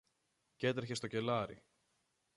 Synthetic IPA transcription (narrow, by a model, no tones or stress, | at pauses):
ce̞t̪ɾeçest̪o̞ce̞lɐɾḭ